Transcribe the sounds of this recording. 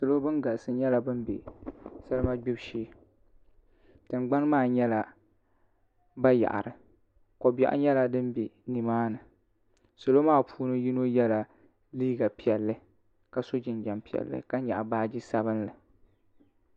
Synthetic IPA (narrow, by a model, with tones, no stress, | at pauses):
so˨lo˦bɨ˦nɡa˨ʔsɨ˦ɲɛ˦la˨bɨ˦mbḛ˨sɨ˦lɨ˦ma˦ɡ͡bɪ˦bʃiː˦ | tɨ˨mɡ͡ba˦nmaː˦˨ɲɛ˦la˦ | ba˦ja̰˨ʔa̰˨ɾɨ˨ | ko˨bɛ̰˨ʔɲɛ˦la˦dɨ˦mbe˨ni˨maː˦nɨ˨ | so˨lo˦maː˦˨pʰuː˦nɨ˦ji˦no˦jɛ˦la˨ | liː˦ɡa˨pi˨ɛ˨lːɨ˦ | ka˨so˦d͡ʒɪ˨nd͡ʒa˨mpi˨ɛ̰˨lːɨ̰˦ka˦ɲa̰˨ʔa˨baː˦d͡ʒi˦sa˦βɨ˦nlɨ˨